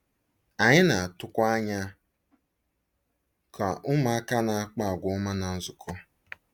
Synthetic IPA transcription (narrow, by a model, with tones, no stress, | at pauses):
a˨ɲɪ˦na˨a˨tʊ˦kʷa˦ɲa˦ | kʰa˨ʔʊ˦ma˦a˦ka˦na˨a˦k͡pa˦a˨ɡʷʊ˨ʊ˦ma˦na˨n̩˦zʊ˨kʰɔ˦